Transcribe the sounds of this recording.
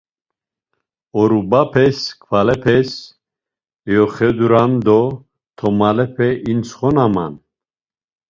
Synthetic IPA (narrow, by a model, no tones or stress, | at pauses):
ɔɾubapʰɛskʰvalɛpʰɛs | jɔχɛd̪uɾand̪ɔ | t̪ʰɔmalɛpʰɛʔint͡sχɔnama̰n